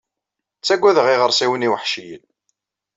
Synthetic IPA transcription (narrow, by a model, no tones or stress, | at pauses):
t͡sːæɡʷːæðəʁiʁəɾˤsiwəniwəħʃijə̰l